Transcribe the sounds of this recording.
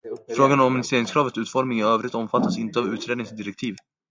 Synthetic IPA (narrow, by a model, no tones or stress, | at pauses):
fɾoːɡanɔmɔmɪnɪst̪eːɾɪŋskʰɾɑːvət̪sʉ̟ːt̪fɔɾmɪŋæɾøːvɾɪt̪ɔmfat̪ːasɪnt̪əavʉ̟ːt̪ɾeːd̪nɪŋsd̪ɪɾɛk̚t̪ʰiːv